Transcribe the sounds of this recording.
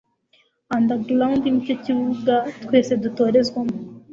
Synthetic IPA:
and̪aɡlaundnico̞ciβuɡat̪kwe̞ːse̞duto̞ːɾe̞zɡwamo

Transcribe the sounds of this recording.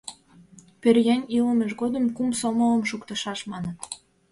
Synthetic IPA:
perjænʲiləmeʃɣod̪ə̆mkumsomələ̆mʃukt̪ə̆ʃɑʃmɑnən

